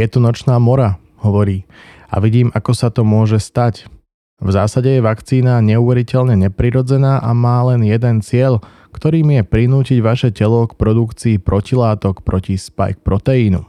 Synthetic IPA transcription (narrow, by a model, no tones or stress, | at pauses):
jɛt̪ɔnɔt͡ʃnaːmɔɾa | hɔʋɔɾiː | a̰ʋiɟiːmʔakɔsat̪ɔmʊɔʒɛst̪ac | vzaːsaɟɛjɛʋakt͡siːnaɲɛuʋɛɾicɛʎɲɛɲɛpɾiɾɔd͡zɛnaːʔamaːlɛnjɛd̪ɛnt͡sɪɛʎ | kt̪ɔɾiːmjɛpɾinuːciɟʋaʃɛcɛlɔkpɾɔd̪ukt͡siːpɾʔɔcilaːt̪ɔkpɾɔcispa̰jk̚pɾɔt̪ɛiːnṵ